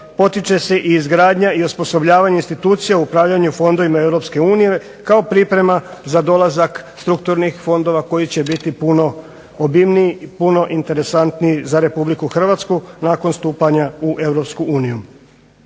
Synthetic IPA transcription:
po̞t̪it͡ʃe̞se̞ʔiːzɡɾaːd̪ɲaiospo̞so̞bʎaːʋaɲainst̪it̪uːt̪sijauupɾaːʋʎaɲufo̞nd̪o̞ʋimae̞vɾo̞pske̞uːnije̞ | kao̞pɾipɾe̞mazad̪o̞lˠazakst̪ɾukt̪uɾnixfo̞nd̪o̞ʋako̞jit͡ɕe̞bit̪ipuno | obimniipuno̞ʔint̪e̞ɾe̞sant̪nijizaɾe̞publikuxr̩ʋat̪skunaːko̞nst̪uːpaɲauʔe̞ʋɾo̞pskuuːniju

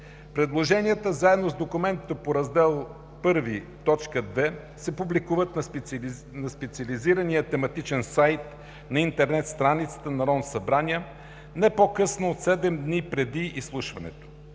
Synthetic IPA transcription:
pɾɛd̪lˠoʒɛniət̪əzaɛd̪nozd̪okʊmɛnt̪it̪opoɾɐzd̪ɛlˠ | pɤɾvi | t̪ɔt͡ʃkəd̪vɛ | sɛpublikuvət̪nɐ | nɐspɛt̪siəliziɾənijət̪ɛmɐt̪it͡ʃɛnsajt̪ | nɐint̪ɛɾnɛt̪st̪ɾanit̪sə̥t̪ənɐɾɔnsɐbɾaniə | nɛpokɤsnoːt̪sɛd̪ɛmd̪nipɾɛd̪iislˠuʃvɐnɛ̰t̪o̥

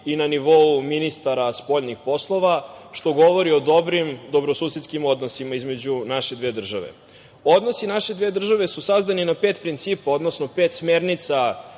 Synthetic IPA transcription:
inaniʋo̞uminist̪aɾaspo̞ʎnixpo̞slˠo̞ʋaʃt̪o̞ɡo̞ʋoɾio̞d̪o̞bɾimd̪o̞bɾosuːset̪skimo̞d̪no̞simaizme̞d͡ʑunaʃed̪ʋeːd̪r̩ʒa̰ʋḛ | o̞d̪no̞sinaʃe̞d̪ʋeːd̪r̩ʒaʋe̞susazd̪aninapeːt̪pɾint̪siːpao̞d̪nosnopeːt̪smeɾnit̪sa

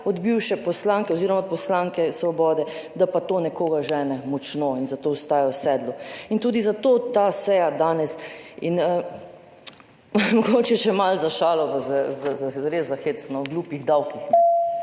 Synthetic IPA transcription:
ɔd̪biwʃɛpɔslaːŋkɛoziːɾɔmapɔslaŋkɛsʋɔbɔːd̪ɛd̪apat̪oːnɛkoːɡaʒɛːnɛmɔt͡ʃnoinzat̪oːɔst̪aːjɔwsɛːd̪luint̪uːd̪izat̪oːt̪aːsɛjad̪aːnɛsinə | mɔɡot͡ʃɛʃɛmalzaʃaːlɔbazɛzazaɾezːaxet̪snɔwɡluːpiɣd̪awkixnɛ

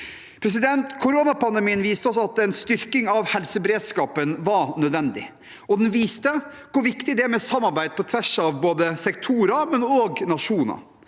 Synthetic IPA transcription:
pʰɾɛs̬ɪd̪ɛnt̪kʰʊɾoːnɑpɑnd̪ɛmiːənʋiːst̪əɔsɔɑt̪ɛnst̪ʏɾkɪŋɑʋhɛlsəbɛɾeːd̪skɑːpənʋɑnœd̪ʋɛnd̪ɪ̰ | ɔd̪ɛnʋiːst̪ə | kʰʊɾʋɪkt̪ɪd̪ɛæɾmɛsɑmːɑɾbæɪd̪̚pʰɔt̪ʰʋæʂɑʋboːd̪əsɛkt̪ʰuːɾɑmɛnɔɡnɑʂuːnɑ̰

